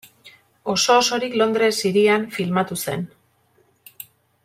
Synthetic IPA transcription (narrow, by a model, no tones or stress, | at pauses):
o̞so̞ːso̞ɾiklo̞nd̪ɾe̞siɾiaɱfilmat̪use̞̰n